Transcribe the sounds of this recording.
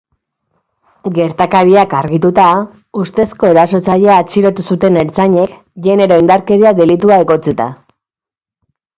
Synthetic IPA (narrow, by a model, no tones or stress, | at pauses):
ɡe̞ɾt̪akaɾiakaɾɣit̪ut̪a | ust̪e̞sko̞eɾaso̞t͡saʎeaːt͡ʃiɾo̞t̪usut̪e̞neɾt͡saɲe̞k | ʝe̞ne̞ɾo̞ind̪aɾke̞ɾiaðe̞lit̪uae̞ɣo̞t͡sit̪a̰